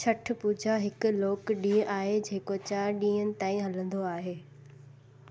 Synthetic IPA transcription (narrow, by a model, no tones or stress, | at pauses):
t͡ɕʰɐʈ̆ʰpuːd͡ʑʱaɦɪkʊ̆loːkɗĩːɦʔaːɦed͡ʑeːkot͡ɕaːɾɗĩːɦənɪ̆t̪aːĩɦɐlə̃nd̪oaːɦeː